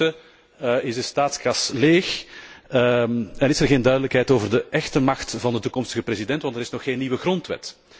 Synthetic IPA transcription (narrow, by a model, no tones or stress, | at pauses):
ə | ɪzəstaːtskɑsleːx | ɛnɪsɛrɣeːndœɥdələkɦɛjtoːvərdəʔɛxtəmɑxtvɑndətukɔmstəɣəprezidɛntʋɑntəɾɪsnɔxːeːnːiʋəɣrɔntʋɛ̰t